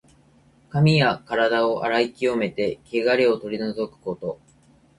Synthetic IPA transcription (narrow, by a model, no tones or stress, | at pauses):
kamʲijakaɾad̪ao̞ʔa̰ɾaikʲio̞me̞t̪e̞ke̞ɡaɾʲeo̞t̪o̞ɾʲino̞zo̞kɯ̥ko̞t̪o̞